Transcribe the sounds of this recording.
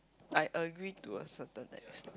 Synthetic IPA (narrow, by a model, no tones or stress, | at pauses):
ʔajʔəɡɹituə̰sətə̃nɛ̰s